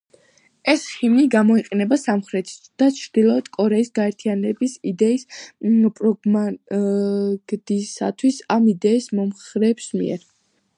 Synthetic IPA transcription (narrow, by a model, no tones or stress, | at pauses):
ɛsχimniɡamɔiqʼɛnɛbasamχɾɛt̪ʰd̪̥at͡ʃʰɾd̪̥ilˠɔɛd̪kʼɔɾɛisɡaɛɾt̪ʰianɛbisid̪ɛispʼɾɔɡma | ɡd̪̥isa̰t̪ʰwisamid̪ɛismɔmχɾɛːbsmḭɛ̰ɾ